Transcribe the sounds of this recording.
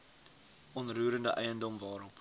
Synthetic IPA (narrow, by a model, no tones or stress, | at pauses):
ʔɔnruːɾəndəʔɛjəndɔmvɑːɾɔp